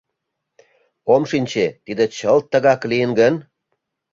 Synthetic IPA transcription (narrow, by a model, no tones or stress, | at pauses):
omʃinʲt͡ɕet̪id̪et͡ɕəlt̪ːəɣɑklijənɡən